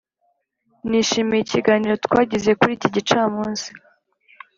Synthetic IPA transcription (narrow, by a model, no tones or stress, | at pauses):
niʃimejiciɡaːniɾo̞t̪kwaːɟize̞kuɾiːciɟit͡ʃaːmuːnsi̥